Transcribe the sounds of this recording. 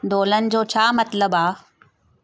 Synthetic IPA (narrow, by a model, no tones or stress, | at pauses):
d̪oːlənɪ̆d͡ʑoːt͡ɕʰaːmɐt̪ləbaː